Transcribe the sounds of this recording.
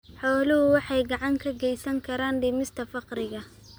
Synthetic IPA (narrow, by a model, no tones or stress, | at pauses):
ħɔːlʊɦʊwɑħɑjɡɑʕɑŋkʰɐɡɛjsɐŋkʰɐɾaːnɖɪmɪst̪ʰɐfɑqɾɪɣɐ